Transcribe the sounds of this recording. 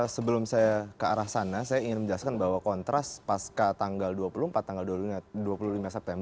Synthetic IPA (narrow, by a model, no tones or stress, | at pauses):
səbəlʊmsajakəa̰ɾahsanasajaiŋɪnməɲd͡ʒəlaskanbaɦwakɔnt̪ɾaspaskat̪aŋɡalduapuluhmpat̪ːaŋɡalduapaduapululimasɛp̚t̪ɛmb